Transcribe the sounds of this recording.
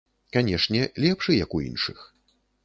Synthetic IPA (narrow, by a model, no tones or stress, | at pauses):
kanʲɛʂnʲɛlʲɛpʂɨjɐkuḭnʂɨx